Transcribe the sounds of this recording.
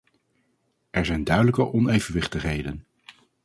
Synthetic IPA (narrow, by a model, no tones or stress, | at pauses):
ʔɛɹzɛjndœɥdələkəʔɔnejvənʋɪχtəχɦejdən